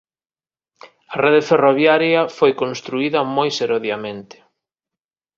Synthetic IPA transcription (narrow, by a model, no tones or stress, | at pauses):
ɐreðeferoβjaɾjɐfojkõnst̪ɾuiðɐmojseɾoðjamẽnt̪ɪ̥